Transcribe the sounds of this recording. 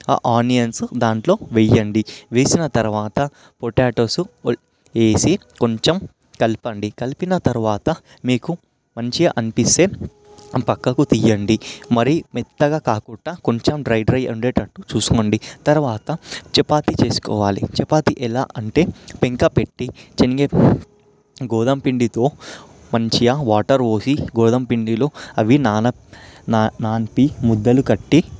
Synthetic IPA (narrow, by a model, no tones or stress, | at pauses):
a̰ːʔaːnijɐnsd̪aːɳʈlo̞ːʋɛjːɐɳɖiʋeːsinɐt̪ɐɾuʋaːt̪ɐ | poʈaːʈoːsu | eːsi | koɲt͡ʃɐm | kɐlipɐɳɖikɐlipinɐt̪ɐɾuʋaːt̪ɐ | miːku | mɐɲt͡ʃieʔɐnipist̪eː | pɐkːɐkut̪ijːɐɳɖimɐɾimid̪ːɐɡaːkaːkuʈːaːkoɲt͡ʃɐmɖɾɐjɖɾɐjɐ̰ɳɖeːʈɐʈːut͡ʃuːsu̥koːɳɖit̪ɐɾuʋaːt̪ɐt͡ʃɛpaːt̪it͡ʃe̞ːsu̥kɔ̰ːʋaːlḭt͡ʃɛpaːt̪iʔɛla̰ːʔɐɳʈe̞ːpeŋkɐpeʈːit͡ʃeniɡeː | ɡɔːd̪ɐmpiɳɖit̪o̞ː | mɐɲt͡ʃijɐʋaːʈɐɾʋoːsiɡɔːd̪ɐmpiɳɖilo̞ːɐʋinaːnɐ | nnaːnpimud̪ːɐlukɐʈːi